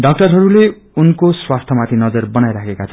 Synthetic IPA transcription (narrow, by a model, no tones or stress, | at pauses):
ɖʌk̚ʈʌrɦʌɾule | unkoswast̪ʰʌmat̪ʰinʌd͡zʌrbʌnajɾakʰekat͡sʰʌ